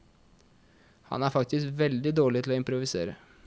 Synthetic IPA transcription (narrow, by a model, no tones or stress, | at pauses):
hɑ̰næːɾfɑk̚t̪ɪskʋɛld̪ɪd̪oːɭɪt̪ʰɪloːɪmpɾʊʋɪsḛːɾə